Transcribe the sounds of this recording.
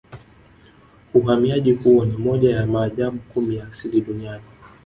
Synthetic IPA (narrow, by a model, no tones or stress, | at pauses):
uɦamiaʄihuwɔnimɔʄajamaːʄaɓukumijaːsiliɗuniani